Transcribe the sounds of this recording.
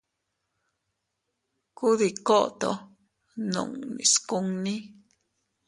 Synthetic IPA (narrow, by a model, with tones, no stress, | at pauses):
ku˦ði˨ko˦ʔt̪o̰˨ | nṵ̃˨ŋnḭ̃˨sku˦ŋnĩ˦